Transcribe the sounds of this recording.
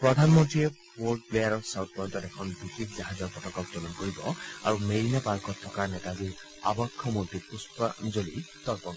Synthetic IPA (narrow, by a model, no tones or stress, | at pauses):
pɹɔd̪ʱanmɔntɹie | woɹɖ̚plejaɹɔɹsawt̪̚pɔjɔnt̪ɔtɛkʰɔnbixekʰzaɦazɔɹpɔtɔkɔk̚d͡ʒɔlɔnkoɹibɔa̰ɹumeɹinapalkɔt̪ʰːɔkaɹnɛtad̪iɹ | a̰bɔkʰːɔmuɾt̪ipuspazoli | t̪ɔɹpɔk